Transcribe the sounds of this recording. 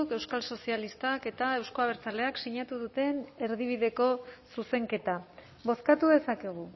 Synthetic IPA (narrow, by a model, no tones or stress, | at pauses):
uke̞wskalso̞sialist̪ake̞t̪ae̞wsko̞aβ̞e̞ɾt͡sale̞aksiɲat̪uð̞ut̪e̞ne̞ɾðiβ̞iðe̞ko̞suse̞ŋke̞t̪a | βo̞skat̪uðe̞sakeɣ̞u